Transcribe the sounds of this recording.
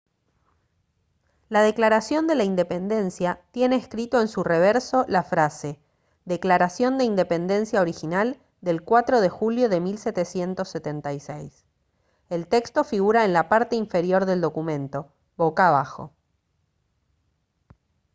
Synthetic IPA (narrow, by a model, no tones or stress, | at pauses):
lað̞e̞klaɾasjo̞nd̪e̞laind̪epe̞nd̪e̞nsjat̪je̞ne̞ːskɾit̪o̞e̞nsureβ̞eɾso̞lafɾase | ðe̞klaɾasjo̞nd̪eind̪e̞pe̞nd̪e̞nsjaoɾixinal | d̪e̞lkwat̪ɾo̞ð̞e̞xuljo̞ðe̞milset̪esje̞nt̪o̞sːet̪ent̪ajsejs | elt̪e̞kst̪o̞fiɣuɾaenlapaɾt̪e̞iɱfe̞ɾjo̞ɾðe̞ld̪o̞kumẽ̞nt̪o̞ | βokaβaxo̞̰